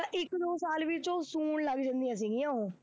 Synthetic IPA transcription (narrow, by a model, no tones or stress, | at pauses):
ãʔɪkːd̪oːsaːlʋɪt͡ʃoːsuːɳləɡd͡ʒə̃nd̪ijãːs̬iɡiãɦõː